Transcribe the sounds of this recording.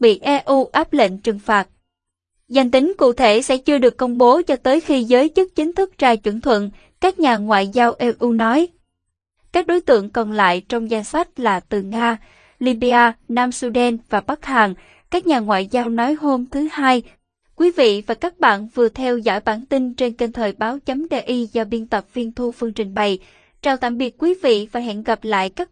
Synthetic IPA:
ɓḭ˧˨ʔɛ˧ʔu˧ʔaː˦˥p̚lə̰˧˨ŋ̟t͡ɕɨ˨˩ŋfaː˨˩t̚ | za˨˩jŋ̟t̪ï˨˦ŋ̟kṵ˧˨t̪ʰe˧˩sɛ̰˧˥t͡ɕɨ˧əɗɨ˨˩əkːə˧wŋ͡mɓo˨˦t͡ɕɔ˧t̪əː˨˦jxi˧zəː˨˦jt͡ɕɨ˦˥k̚t͡ɕï˨˦ŋ̟t̪ʰɨ˦˥k̚t͡ɕaː˧jt͡ɕwə˧˩nt̪ʰwə̰˧˨n | kaː˦˥k̚ɲaː˨˩ŋwa̰ː˧˨jzaː˧wʔɛ˧ʔu˧nɔ˨˦j | kaː˦˥k̚ɗo˨˦jt̪ɨ̰˧˨əŋkɔ˨˩nla̰ː˧˨jt͡ɕɔ˧wŋ͡mza˧jnsa˦˥jt̚laː˨˩t̪ɨ˨˩ŋaː˧ | li˧ɓi˧aː˧naː˧msu˧ɗɛ˧nvaː˨˩ɓa˦˥k̚haː˨˩ŋ | kaː˦˥k̚ɲaː˨˩ŋwa̰ː˧˨jzaː˧wnɔ˨˦jɦo˧mt̪ʰɨ˨˦haː˧j | kwi˨˦vḭ˧˨vaː˨˩kaː˦˥k̚ɓa̰ː˧˨nvɨ˨˩ət̪ʰɛ˧wzɔ̰ː˧˩jɓaː˧˩nt̪ï˧nt͡ɕe˧nke˧nt̪ʰəː˨˩jɓaː˨˦wt͡ɕə˨˦mɗe˧ʔi˧zɔ˧ɓi˧ənt̪ə˨˩p̚vi˧ənt̪ʰu˧fɨ˧əŋt͡ɕï˨˩ŋ̟ɓə˨˩j | t͡ɕaː˧˩wt̪a̰ː˧˩˨ɓi˨˩ət̚kwi˨˦vḭ˧˨vaː˨˩jɦḭ˧˨ənɣə˨˩p̚la̰ː˧˨jkaː˦˥k̚

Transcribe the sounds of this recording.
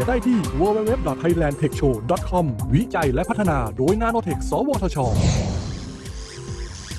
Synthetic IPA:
daː˥˩jt̪ʰiː˥˩wəː˧weː˦˥we˦˥p̚dɔ˨˩t̪̚ʰːa˧jlɛː˧nt̪ʰe˨˩k̚t͡ɕʰoː˧dɔ˨˩t̪̚kʰɔ˧mwi˦˥t͡ɕa˧jlɛ˦˥ʔʰa˦˥t̪ʰːa˧naː˧doː˧jnaː˧˥noː˧t̪ʰe˨˩k̚sɔː˩˦wɔː˧t̪ʰɔː˧t͡ɕʰɔː˧

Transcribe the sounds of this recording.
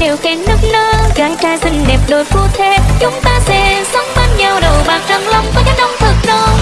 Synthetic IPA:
he˨˩wkɛ˨˦nɨ˦˥k̚nəː˧ɣaː˨˦jt͡ɕaː˧˩jt̪ï˧˩ŋ̟ɗɛ˨˩p̚ɗo˨˩jfu˧˩t̪ʰe˧t͡ɕʊ˨˦ŋ͡mt̪aː˧sɛ̰˧˥sə˨˦wŋ͡mɓaː˧nɲəː˨˩wɗo˨˩ɓaː˨˩k̚zə˧˩ŋlə˧wŋ͡mkɔ˨˦ɲa˨˧˦ɗɔ˧wŋ͡mt̪ʰɨ˨˩k̚no˧˩

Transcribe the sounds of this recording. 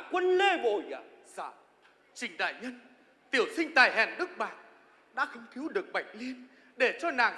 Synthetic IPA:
kwə˧nle˧˩ɓo̰˧˨j | zaː˧˩ | t͡ɕï˨˩ŋ̟ɗa̰ː˧˨jɲə˧n | t̪i˧˩əwsï˧ŋ̟t̪aː˨˩jɦɛ̰˨˩nɗɨ˦˥k̚ɓaː˧˨˩n | ɗa̰ː˧˥xə˧wŋ͡mt̪ʰi˨˦wɗɨ˨˩ək̚ɓa˨˩jk̟̚li˧ən | ɗe˧˩t͡ɕɔ˧naː˨˩ŋ

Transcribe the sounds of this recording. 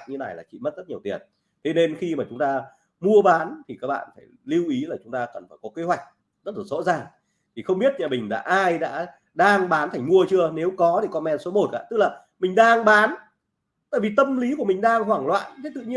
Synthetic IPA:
k̚ɲɨ˧na˨˩jlaː˨˩t͡ɕḭ˧˨mə˦˥t̚z̥ə˦˥t̚ɲi˨˩ət̪i˨˩ən | t̪ʰe˨˦ne˧nxi˧maː˨˩t͡ɕʊ˨˦ŋ͡mt̪aː˧ | mu˧əɓaː˨˦nt̪ʰi˨˩kaː˦˥k̚ɓa̰ː˧˨nfaː˧˩jli˧wʔi˨˦laː˨˩t͡ɕʊ˨˦ŋ͡mt̪aː˧kə˨˩nfaː˧˩jkɔ˨˦ke˨˦ɦwa˨˩jk̟̚ | z̥ə˦˥t̚laː˨˩zo̰˧˥zaː˨˩ŋ | t̪ʰi˨˩xə˧wŋ͡mɓi˦˥ət̚ɲa̰ː˨˩mï˨˩ŋ̟ɗa̰ː˧˥ʔaː˧jɗa̰ː˧˥ | ɗaː˧ŋɓaː˨˦nt̪ʰa˨˩jŋ̟mu˧ət͡ɕɨ˧əne˨˦wkɔ˨˦ɗe˧˩kɔ˨˧mɛ˧nso˨˦mo˨˩t̚ka̰ː˧˥t̪ɨ˦˥k̚laː˨˩ | mï˨˩ŋ̟ɗaː˧ŋɓaː˨˦n | t̪a̰ː˧˨jvi˨˩t̪ə˧mli˨˦ku˧˩əmï˨˩ŋ̟ɗaː˧ŋɦwaː˧˩ŋlwa̰ː˧˨nt̪ʰe˦˥t̪ɨ̰˧˨ɲi˧

